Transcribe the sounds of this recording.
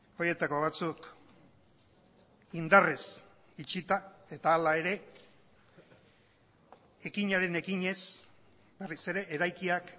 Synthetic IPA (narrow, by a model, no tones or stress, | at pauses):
o̞je̞t̪ako̞β̞at͡suk | ind̪ares | it͡ʃit̪ae̞t̪aːlae̞ɾe̞ | ekiɲaɾe̞ne̞kiɲe̞s | berise̞ɾe̞ʔeɾajkiak